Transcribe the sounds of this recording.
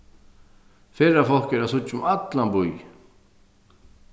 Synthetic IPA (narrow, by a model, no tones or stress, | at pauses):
fɪɾafɔl̥kɛɾasʊt͡ʃːʊmat̪lambuj